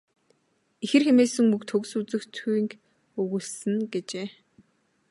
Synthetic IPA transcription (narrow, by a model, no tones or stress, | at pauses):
ixɘ̆rxemeːsɘ̆ŋmɵkt̪ʰɵɣsuːt͡sɘ̆xt̪ʰuiŋk | ɵɣuːɮsɘ̆nɡet͡ɕeː